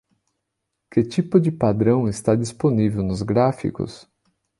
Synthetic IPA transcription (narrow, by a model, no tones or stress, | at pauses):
kɪt͡ʃipʊd͡ʒɪpad̪ɾɐ̃w̃ɪst̪ad͡ʒisponivewnʊzɡɾafḭkʊ̰s